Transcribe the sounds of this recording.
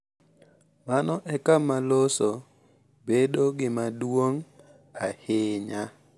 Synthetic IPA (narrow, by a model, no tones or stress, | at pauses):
manɔʔɛkamaloso | bedoɡɪmadwoŋ | ahɪɲa